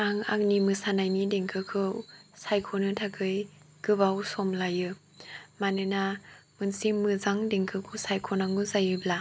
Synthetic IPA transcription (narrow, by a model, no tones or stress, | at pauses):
aŋa̰ŋnimɯsanajnideŋkʰɯkʰɯsajkʰɔnɯtʰakʰɯj | ɡ̥ɯbawsɔmlajɯ | manɯnamɯnsimɯzaŋdeŋkʰɯkʰɯsajkʰɔnaŋɯzajɯbla